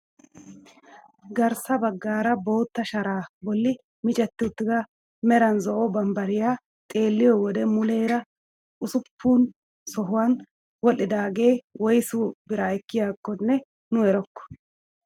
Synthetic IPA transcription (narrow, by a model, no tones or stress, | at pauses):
ɡɐɾsɐbɐɡːaːɾɐbo̞ːt̪ːɐʃɐɾaːbɔlːɪ | mɪt͡ʃʼɛt̪ːɪʊt̪ːɪɡ̪ɐ | mɛɾɐnzɔʔɔbɐmbɐɾɪjaː | t̪ʼe̞ːlːɪjɔwɔd̪ɛmʊleːɾɐ | ʔʊsʊpʰːuːn | sɔɦʊwan | wɔlːɪd̪aːɡe̞ːwɔjsʊbɪɾaɛkːɪjaːkːɔnːɛ | nʊɛɾɔkːɔ̥